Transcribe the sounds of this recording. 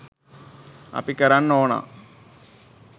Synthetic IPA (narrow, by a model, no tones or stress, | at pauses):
ɐ̰pikːɐɾannoːna̰